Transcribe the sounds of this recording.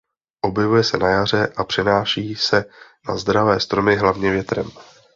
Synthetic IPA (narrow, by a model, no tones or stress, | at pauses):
ʔo̞bjɛvujɛsɛnajar̝ɛʔapr̝̥ɛnaːʃiːsɛnazd̪ɾavɛːst̪ɾo̞mɪɦlavɲɛvjɛt̪ɾɛm